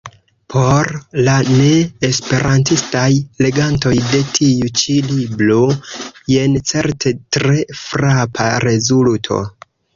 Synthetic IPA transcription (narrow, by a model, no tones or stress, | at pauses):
pʰo̞ɾlane̞ːspe̞ɾʔantistajle̞ɡanto̞jde̞tʰiut͡ʃilibloje̞nt͡se̞ɾtʰe̞tɾe̞fɾapʰaɾe̞zultʰo̞̰